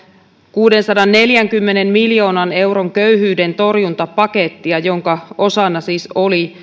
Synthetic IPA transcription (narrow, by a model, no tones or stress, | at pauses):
kuːde̞nsɑdɑnːe̞ljæŋkymːe̞ne̞mmiljo̞ːnɑne̞wɾo̞ŋkø̞yɦyːde̞nt̪o̞rjunt̪ɑpɑke̞t̪ːiɑjo̞ŋkɑo̞sɑnːɑsiːsoli